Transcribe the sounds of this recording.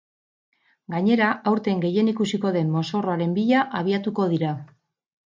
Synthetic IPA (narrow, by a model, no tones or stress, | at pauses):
ɡaɲe̞ɾaawɾt̪e̞ŋɡe̞je̞nikusiko̞ðe̞mːo̞so̞ro̞aɾe̞mbiʎaʔaβ̞iat̪uko̞ð̞iɾa